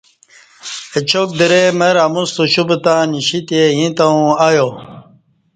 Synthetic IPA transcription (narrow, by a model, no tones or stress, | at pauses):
et͡ɕʰok̚d̪iɾemɐɾamũst̪uɕubet̪ãːniɕit̪ejĩt̪aũajo